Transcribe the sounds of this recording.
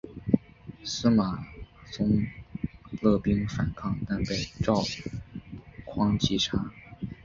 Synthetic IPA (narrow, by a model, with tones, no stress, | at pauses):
sɹ̩˥ma˨˩t͡sʊ˥ŋ | lɤ˥˩pi˥ŋfa˨˩nkʰɑ˥˧ŋt̪a˥˧npe˥˩ɪʈ͡ʂɑ˥˩ʊ | kʰwɑ˥ŋt͡ɕi˥ʈ͡ʂʰa˥